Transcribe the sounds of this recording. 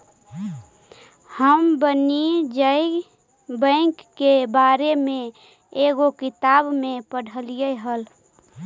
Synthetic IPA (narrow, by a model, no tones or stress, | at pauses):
həmbənid͡ʒəɪ | bə̃ŋkːebaːɾemẽ | eːɡokɪt̪aːbmẽpəɽ̤ʱəlijeɦəl